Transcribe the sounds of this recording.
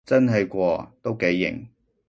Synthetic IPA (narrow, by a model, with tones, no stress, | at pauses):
t͡sɐ˥nɦe˧jkʷɔː˧t̪o˥wke˨˥jːɪ̰˨˩ŋ